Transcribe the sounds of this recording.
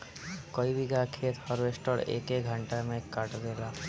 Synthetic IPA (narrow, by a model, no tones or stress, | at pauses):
koibikakʰet̪hɔɾwesʈɔɽḛkeɡʱə̃ɳʈamẽkaʈd̪eːla